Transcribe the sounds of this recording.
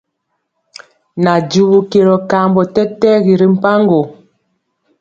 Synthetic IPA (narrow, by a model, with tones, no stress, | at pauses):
na˨d͡ʒu˨βu˨ke˨ɾɔ˨ka˦˨mbɔ˨tɛ˦tɛ˦ɣi˨ɾi˨m̩˦pa˦ŋɡo˨